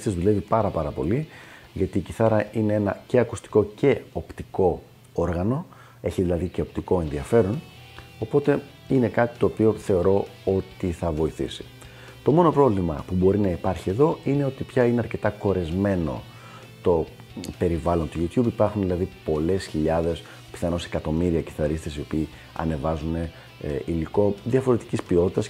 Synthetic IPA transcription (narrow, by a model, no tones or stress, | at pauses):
ezðule̞vipɐɾɐpɐɾɐpo̞̰li | ʝɐt̪iːciθɐɾɐʔine̞e̞nɐce̞ɐkust̪i̥ko̞ce̞o̞pt̪iko̞ | oɾɣɐno̞ | e̞çiðilɐðice̞op̚t̪iko̞e̞nðiɐfe̞ɾono̞po̞t̪e̞ | ine̞kɐt̪i̥t̪o̞ːpio̞θe̞o̞ɾo̞ot̪iθɐvo̞iθḭsi̥ | t̪o̞mo̞no̞pɾo̞vlimɐ̰pubo̞ɾinɐipɐɾçie̞ðo̞ine̞o̞t̪ipçɐineɐɾce̞t̪ɐko̞ɾe̞zme̞no̞̰ | t̪o̞ | pe̞ɾivɐlo̞nt̪uʝut̪çubipɐɾxunðilɐðipo̞le̞sçiʎɐðe̞s | pi̥θɐno̞se̞kɐt̪o̞miɾiɐci̥θɐɾist̪esio̞piː | ɐ̰ne̞vɐzune̞ | ʔiliko̞ðiɐfo̞ɾe̞t̪i̥cispio̞t̪it̪ɐs